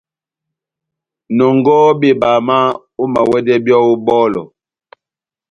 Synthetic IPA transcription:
nɔ˨ŋɡɔ˦bi˦˨baː˨ma˦ | u˦ma˨wɛ˦dɛ˦bjɔ˦u˦bɔː˦lɔ̰˨

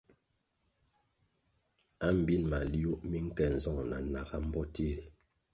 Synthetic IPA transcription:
a˦m̩˨bi˦nma˨li˦o˦ʔmi˦ŋ̩˦kɛ˨n̩˨zɔ˦˨ŋna˨na˨ɡa˦m̩˦bɔ˦ti˦ɾi˨

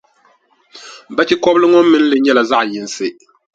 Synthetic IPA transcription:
ba˦t͡ʃi˦kɔ˦blɨ˦ŋɔ˦mː˦ɨ˦n̩˦lɨ˨ɲɛ˦la˨za˦ʔjɪ˨n˨sɨ˦

